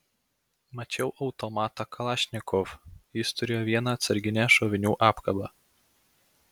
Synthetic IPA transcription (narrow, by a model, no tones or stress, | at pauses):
mɐt͡ʃʲɛʊʔɐʊt̪omɑːt̪ɐkɐlˠɑʃʲnʲɪkɔfjɪst̪ʊɾʲeːjoːʋʲiɛnɐːt̪sɐɾʲɡʲɪnʲæʃoːʋʲɪnʲuːʔɑːpkɐbɑ